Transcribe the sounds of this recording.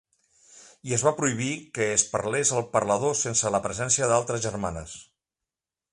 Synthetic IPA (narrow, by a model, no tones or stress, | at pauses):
iəzβapɾuiβ̞ikəːspəɾlezəlˠpəɾləð̞osensələpɾəzɛnsiəðalˠt̪ɾəzʒərmanə̰s